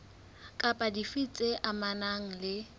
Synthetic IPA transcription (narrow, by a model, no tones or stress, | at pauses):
kʼapʼadifit͡sʼeʔamanaŋ̩lɪ